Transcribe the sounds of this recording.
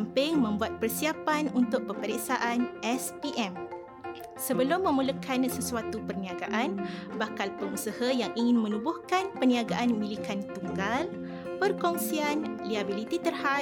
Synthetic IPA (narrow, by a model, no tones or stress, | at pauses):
ampɪŋmə̃mbuat̪̚pərsiapanunt̪ʊʔ̚pəpəɾiksaʔanʔɛspiʔɛm | səbəlʊmːə̃mũlukʰansəsuat̪upərnĩaɡaʔanbakalpəŋusahajaŋiŋɪnmə̃nubʊhkanpəniaɡaʔanmĩlikant̪uŋɡal | pərkɔŋsianliabilit̪it̪ərha